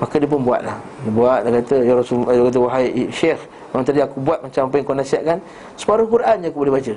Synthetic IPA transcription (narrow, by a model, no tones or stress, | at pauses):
makədiəp̬ʊnbua̰ʔ̪lahbuat̪̚lahkat̪əjaɾsukat̪̬əwaɦajʃex | mamənt̪adaakubuat̪̚maɲt͡ʃamapəjŋkonasiaʔkan | sə̥paɾʊhkuɾʔanjaakubolehbat͡ʃə